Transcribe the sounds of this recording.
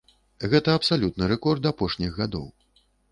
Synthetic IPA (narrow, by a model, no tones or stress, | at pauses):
ɣɛt̪ɐːpsalʲut̪̚nɨɾɛkɔrd̪apɔʂnʲiɣɣad̪ɔ̰w